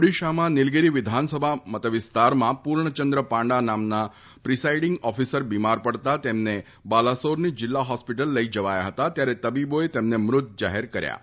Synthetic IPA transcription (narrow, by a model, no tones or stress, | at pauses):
oɽiʃamãnɪlɡeɾiʋɪd̪ʱansəbʱamət̪əʋɪst̪aɾmãpuɾɳət͡ʃənd̪ɾəpãɳɖanamna | pɾisaiɖɪŋɡɔfisəɾbimaɾpəɽt̪at̪emne | balasoɾnid͡ʒɪlːaɦɔspiʈəlːəid͡ʒəʋaja̰ɦət̪at̪jaɾɛt̪əbiboet̪emnemɾʊt̪̚d͡ʒaɦeɾkəɾja̰